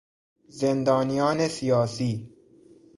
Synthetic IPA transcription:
zend̪ɒːnijɒːnesijɒːsiː

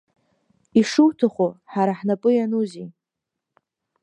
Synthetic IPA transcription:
iʂɨwtʰaχʷoħaɾaħnapʼɨjanuzi

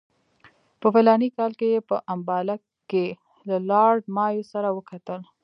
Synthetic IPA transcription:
pəwalɑnikɑlkejepəʔambɑla | ke | lalɑɖmɑjosaɾawəkat̪əl

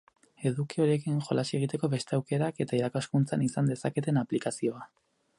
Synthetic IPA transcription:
e̞ðukio̞ɾie̞kiŋʝo̞lasie̞ɣ̞it̪e̞ko̞βe̞st̪e̞awke̞ɾake̞t̪aiɾakaskunt͡sanisand̪e̞sake̞t̪e̞naplikasio̞a

